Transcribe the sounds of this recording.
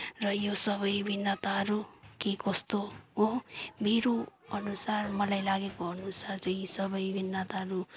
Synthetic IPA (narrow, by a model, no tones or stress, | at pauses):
rʌjosʌβʌjbʱinːat̪aɦʌɾukikʌst̪oomʱiɾuʌnusarmʌlajlaɡekoʌnusart͡sʌj̃sʌbʌjbʱinːat̪aɦʌɾu